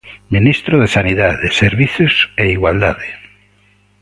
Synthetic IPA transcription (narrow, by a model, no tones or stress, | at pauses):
minist̪ɾoðesaniðaðeseɾβiθjoseiɣwald̪aðe